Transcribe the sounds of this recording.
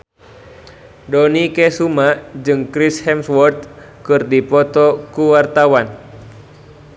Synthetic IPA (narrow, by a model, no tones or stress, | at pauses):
dɔnikɛsumad͡ʒɨŋkɾishɛmswɔrt̪̚ | kɨrdipɔt̪ɔkuwart̪awan